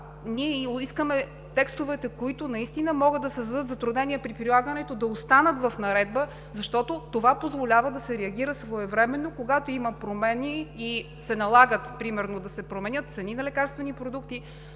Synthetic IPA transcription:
niɛiskəmɛ | t̪ɛkst̪ovɛt̪ɛkoit̪ʊnɐist̪inəmɔɡəd̪ɐsɛzɐd̪ɤt̪zɐt̪ɾud̪nɛnʲiɛpɾipɾilˠaɡənɛt̪od̪ɐost̪anət̪vɐfnɐɾɛd̪bə | zɐʃt̪ɔt̪ot̪ovapozvolʲavəd̪ɐsɛɾɛɐɡ̟iɾəsvoɛvɾɛmɛnːokoɡat̪oimɐpɾomɛniː | sɛnɐlˠaɡət̪pɾimɛɾnod̪ɐsɛpɾomɛnʲət̪̚t̪sɛninɐlɛkaɾst̪vɛnipɾod̪ukt̪i

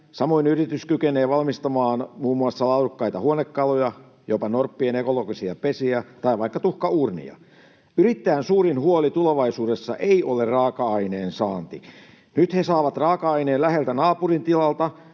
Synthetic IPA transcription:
sɑmoinyrit̪yskykeneːʋɑlmist̪ɑmɑːnmuːmːuɑsːɑlɑudukːɑit̪ɑhuonekːɑlojɑ | jopɑnorpːienekoloɡisiɑpesiæt̪ɑiʋɑikːɑt̪uhkɑuːrnḭɑ̰ | yɾit̪ːæːnsuːɾinhuolit̪uleʋɑisuːdesːɑ̰ʔeiʔolerɑːkɑɑineːnsɑːnt̪i | nyt̪hesɑːʋɑt̪rɑːkɑɑineːnlæhelt̪ænɑːpurint̪ilɑlt̪ɑ

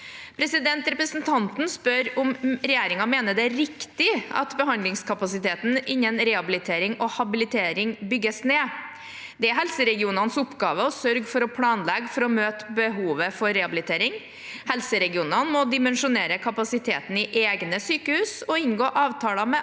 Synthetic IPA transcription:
pʰɾɛsɪd̪ɛnt̪ɾɛpɾəsnt̪ʰɑnt̪n̩spœɾʊmɾɛjeːɾɪŋɑmeːnəɖ̪ɛæɾɪkt̪ɪɑ̰t̪bəɦɑnd̪lɪŋskʰɑpɑsɪt̪ʰeːt̪n̩ʔɪɲːənɾɛhɑbɪlɪt̪ʰeːɾɪŋɔhɑbɪlɪt̪ʰeːɾɪŋbʏɡːəsneː | d̪ɛæɾɦɛlsəɾɛɡɪuːnɑnsʊpːɡɑːʋəɔsœɾɡfɔɾɔpʰlɑːnlɛɡfɔɾɔmøːt̪bəɦuːʋəfɔɾːɛhɑbɪlɪt̪ʰeːɾɪŋ | hɛlsəɾɛɡɪuːnɑnmɔd̪ɪmɛnʂʊneːɾəkʰɑpɑsɪt̪ʰḛːt̪n̩ɪʔeːɡnəsyːkəhʉːsɔɪnɡoːʔɑːʋt̪ʰɑːlɑmɛ

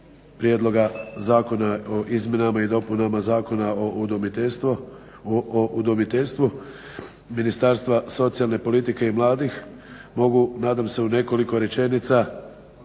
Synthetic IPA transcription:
pɾje̞d̪lˠo̞ɡazaːkonaoʔizmʲje̞namaid̪o̞punamazaːkonaouomit̪s | oʔud̪omit̪eʎʲst̪ʋu | minist̪aɾst̪ʋaso̞t̪sijalˠne̞po̞lit̪ike̞imlˠaːd̪ix | mo̞ɡunaːd̪amse̞une̞ko̞liko̞ɾe̞t͡ʃe̞nit̪sa

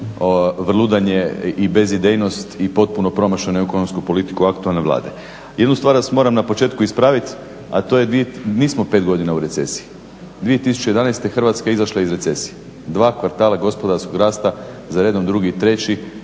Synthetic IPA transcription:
oʋr̩lˠud̪aɲeibe̞zid̪ejno̞st̪ipo̞t̪̚puno̞pɾo̞maʃenoekonomskupo̞lit̪i̥kuakt̪ualne̞ʋlˠa̰ːd̪e̞ | jed̪nust̪ʋaːɾasmo̞ɾamnapo̞t͡ʃe̞ːt̪kuispɾaʋit̪ | at̪o̞jed̪ieniːsmo̞pe̞ːt̪ɡo̞d̪inauɾe̞t̪se̞̰si̥i | d̪ʋie̞t̪isu̥t͡ʃejd̪anajst̪exrʋat̪skaizaʃlˠaizɾe̞t̪se̞sije | d̪ʋaːkʋaɾt̪aːlaɡo̞spo̞d̪aɾsko̞ɡɾaːst̪a | zaɾe̞ːd̪o̞md̪ɾuɡit̪ɾe̞t͡ɕi

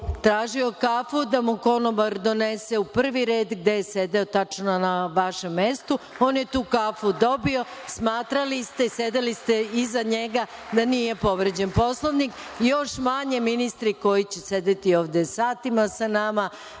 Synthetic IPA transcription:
t̪ɾaːʒio̞kafud̪amuko̞noʋaɾd̪o̞neseupr̩ʋiɾe̞ːd̪ɡd̪ejese̞d̪e̞ot̪at͡ʃnonaʋaʃe̞mːe̞st̪u | o̞ːnjet̪uːkafud̪o̞bio̞smaːt̪ɾalist̪ese̞d̪elist̪eizaɲe̞ɡa | d̪aniːje̞po̞ʋɾed͡ʑenpo̞slˠoʋnik | jo̞ʃmaɲe̞minist̪ɾiko̞jit͡ɕese̞d̪et̪ioːʋd̪esaːt̪imasanama

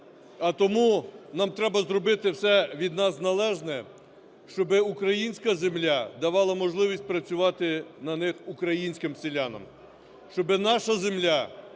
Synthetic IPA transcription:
ɐt̪ɔmunɑmt̪ɾɛbɐzrɔbɪt̪ɪwsɛʋʲid̪nɑsnɐlˠɛʒnɛ | ʃt͡ʃɔbɪukɾɐjinʲsʲkɐzemlʲad̪ɐʋɑlˠɐmɔʒlˠɪʋʲisʲt̚ʲpɾɐt͡sʲʊʋɑt̪ɪnɐnɪxukɾɐjinʲsʲkɪmsɪlʲanɔ̰m | ʃt͡ʃɔbɪnɑʃɐzemlʲa

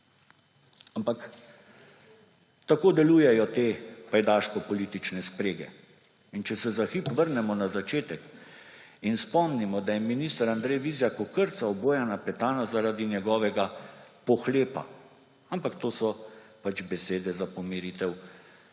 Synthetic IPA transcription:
ampak | t̪akoːd̪ɛluːjɛjɔt̪epajd̪aːʃkɔpɔlit̪it͡ʃnɛspɾeːɡɛ̰ | int͡ʃɛsɛzaxipʋəɾnɛmɔnazat͡ʃeːt̪ɛk | inspɔmnimɔd̪ajɛminist̪aɾand̪ɾɛjʋizjakɔkəɾt̪saɔboːjanapɛt̪aːnazaɾaːd̪injɛɡɔʋɛɡapɔxleːpa̰ | ampakt̪oːsɔpat͡ʃbɛseːd̪ɛzapɔmiɾit̪ɛw

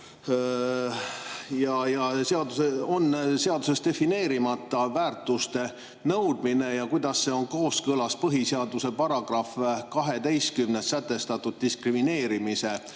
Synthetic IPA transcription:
jɑjɑseɑd̪useo̞nːse̞ɑd̪use̞st̪e̞fine̞ːɾimɑt̪ːˑɑvæːrt̪ˑust̪e̞ | nɤwd̪̥mine̞jɑkujd̪ɑsːe̞o̞nko̞ːskɤlɑspɤɦiseɑd̪use̞pɑɾɑɡ̥rɑfkɑɦe̞d̪e̞js̚kymnessæt̪ːˑe̞st̪ɑt̪ːud̪̥̚t̪iskrimine̞ːɾimise̞

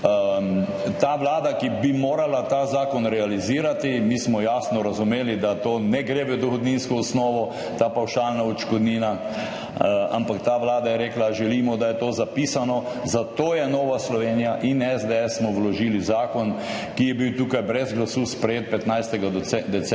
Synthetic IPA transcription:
t̪aʋlaːd̪akibimoːɾalat̪azaːkɔnɾɛaliziːɾat̪imiːsmɔjaːsnɔɾazumeːlid̪at̪oːnɛɡɾeʋəd̪ɔxɔd̪ninskɔɔsnɔːʋɔ | t̪aːpawʃalnaɔt͡ʃkɔd̪niːna | a̰mpakt̪aːʋlaːd̪ajɛɾeːklaʒɛliːmɔd̪ajɛt̪oːzapiːsanɔ | zat̪oːjɛnoːʋaslɔʋeːnijaʔinɛzd̪eɛssmɔʋlɔʒiːlizaːkɔn | kijɛbiwt̪ukajbɾɛzɡlasuːspɾɛjeːt̪̚pɛt̪najst̪ɛɡad̪ɛt͡sɛ

